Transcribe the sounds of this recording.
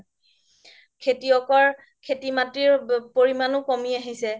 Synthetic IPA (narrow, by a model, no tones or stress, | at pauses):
kʰetiɔkɔɹ | kʰetimatɹiɹpoɹimanʊkomiaɦisɛ